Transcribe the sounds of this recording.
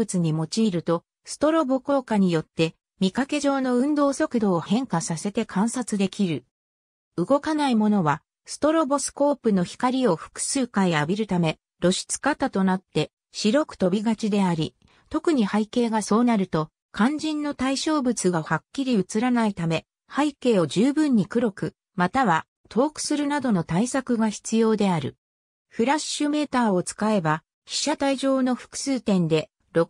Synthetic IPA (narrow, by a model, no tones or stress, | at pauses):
ɯt͡sɨɲ̟imo̞t͡ɕiːɾɯ̟t̪o̞ | sɨ̥t̪o̞ɾo̞bo̞ko̞ːkaɲ̟ijo̞t̪ːe̞ | mʲikake̞ʑo̞ːno̞ɯ̟̃nd̪o̞ːso̞kɯ̟d̪o̞ːhẽ̞ŋkasase̞t̪e̞kʰãɰ̃sat͡sɨd̪e̞kʲiɾɯ̟ | ɯɡo̞kanaimo̞no̞βa | sɨ̥t̪o̞ɾo̞bo̞sɨ̥ko̞ːpɯ̟no̞çi̥kaɾʲio̞ɸɯ̥kɯ̟̥sɨːkaiabʲiɾɯ̟t̪ame̞ | ɾo̞ɕi̥t͡sɨ̥kat̪at̪o̞nat̪ːe̞ | ɕiɾo̞kɯ̟̥t̪o̞bʲiɡat͡ɕid̪e̞aɾʲi | t̪o̞kɯ̟ɲ̟ihaike̞ːɡaso̞ːnaɾɯ̟t̪o̞ | kãɲ̟d͡ʑĩnːo̞t̪aiɕo̞ːbɯ̟t͡sɨɡahakʲːiɾʲiɯ̟t͡sɨɾanait̪ame̞ | haike̞ːo̞ʑɨːbɯ̟̃ɲ̟ːikɯ̟ɾo̞kɯ̟ | mat̪aβa | t̪ʰo̞ːkɯ̟̥sɨɾɯ̟nad̪o̞no̞t̪aisakɯ̟ɡaçi̥t͡sɨjo̞ːd̪e̞aɾɯ̟̰ | ɸɯ̟ɾaɕːɨme̞ːt̪aːo̞t͡sɨ̥kae̞ba | çi̥ɕat̪aiʑo̞ːno̞ɸɯ̥kɯ̟̥sɨːt̪ẽ̞nd̪e̞ | ɾo̞